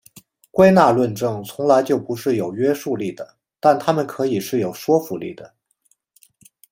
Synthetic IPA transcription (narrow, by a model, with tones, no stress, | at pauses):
kwe˥ɪna˥˧lwə˥˧nʈ͡ʂɤ˥˩ŋt͡sʰʊ˧˥ŋla˧˥ɪt͡ɕjo˥˩ʊpu˧˥ʂɻ̩˥˩jo˨˩ʊɥɛ˥ʂu˥˧li˥˩d̪ə˩ | t̪a˥˩nt̪ʰa˥mə˨nkʰɤ˧˥i˨˩ʂɻ̩˥˩jo˨˩ʊʂwɔ˥fu˧˥lḭ˥˩d̪ə˩